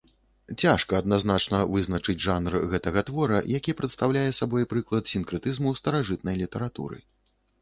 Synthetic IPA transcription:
t͡sʲaʂkɐːd̪naznat͡ʂnɐvɨznɐt͡ʂɨd͡zʲʐanrɣɛt̪ɐɣɐt̪vɔɾɐ̰jakʲipɾɐt̪st̪awlʲajɛsabɔjpɾɨklˠɐt̪sʲinkɾɨt̪ɨzmust̪ɐɾaʐɨt̪̚nɐjlʲit̪ɐɾat̪ṵɾɨ̰

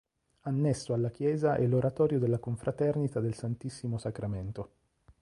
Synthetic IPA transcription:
anːɛsːoalːak̟jɛːzaʔɛ̰lːoɾat̪ɔːɾjod̪elːakoɱfɾʔat̪ɛrnit̪ad̪elsant̪isːimosakɾament̪o

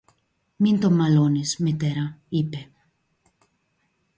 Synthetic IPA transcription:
mint̪omalonismit̪eɾaipe

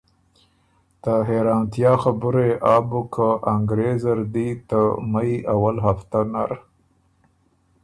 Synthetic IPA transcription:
t̪aɦeɾɑnt̪jɑxabʊɾeʔɑbukʰaaŋɡɾezaɾd̪it̪əmajawalɦaft̪anaɾ

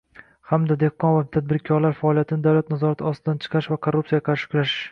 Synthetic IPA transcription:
hamd̪ad̪e̞hqːɒnvat̪ʰad̪̚bɪɾkʲʰɒɾlaɾfaɒlˠijat̪ʰɪnɪd̪awlat̪nazɒɾat̪ʰɪɒst̪ɪd̪ant͡ʃʰɨ̥qʰɑɾɪʃvakʰoɾrːupsijaqʰɑɾʃɪ̥kʰʊɾaʃɪ̥ʃ

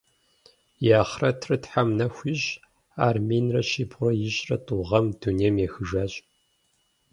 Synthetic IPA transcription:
jaːχrɐtʰrɨtħamnɐxʷiɕ | aːrmeːnrɐʃiːbʁʷɔjɪɕʼrɐtʼuʁɐmduneːmjɛxɨʒaːɕʼ

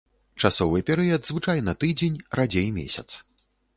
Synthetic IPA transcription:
t͡ʂasɔvɨpʲɛɾɨjɐd̪zvɨt͡ʂajnɐt̪ɨd͡zʲenʲrad͡zʲejmʲḛsʲɐt̪s

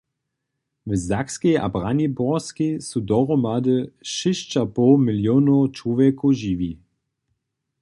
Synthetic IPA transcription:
vəzakskeʔa̰bʁanibɔskesudɔʁɔmadəʃɪʃt͡ʃapɔmɪljonot͡ʃoʋɛkoʒiʋi

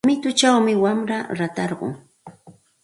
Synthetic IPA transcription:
mɪt̪ʊt͡ʃawmɪwamɾaɾat̪ɑɾɢʊ̰ŋ

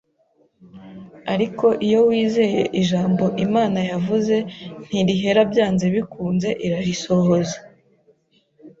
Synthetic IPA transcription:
aɾiko̞ʔijo̞wiːze̞je̞̰ʔiʒaːmbo̞ʔimaːnajavuze̞n̥hiɾiɦe̞ɾabjaːnze̞βikuːnze̞ʔiɾaɾiso̞ho̞za

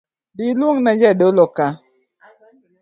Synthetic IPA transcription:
dilwoŋnad͡ʒɛdoloka

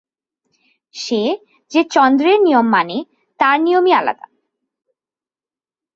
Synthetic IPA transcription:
ʃe | d͡ʑet͡ɕɔnd̪ɾeɾnijomːane | t̪aɾnijomiala̰d̪a̰

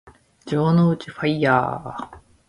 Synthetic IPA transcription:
d͡ʑoːnoɯt͡ɕiɸaija̰ː

